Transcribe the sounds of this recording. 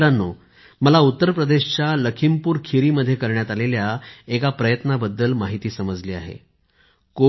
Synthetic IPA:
ɾanːo | məlaut̪ːəɾpɾəd̪eɕt͡ɕjaləkʰimpuːɾkʰiɾiːməd̪ʱːjekəɾɳjat̪aleljaekapɾəjət̪nabəd̪ːəlmaɦit̪iːsəməd͡zliːa̰ɦḛ | ko

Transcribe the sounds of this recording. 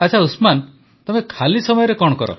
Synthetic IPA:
at͡ʃʰausman | t̪ɔmekʰalisɔmɔjɔɾekɔɽ̃ɔkɔɾɔ̰

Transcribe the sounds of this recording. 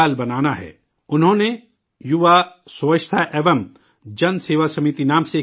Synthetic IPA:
aːlbɐnaːnaɦɛ̰ː | ʊnɦõːne | jʊʋasʊʋət͡ʃʃt̪ʰaʔɛːʋəm | d͡ʒɐnseːʋasɐmiːt̪inaːmse

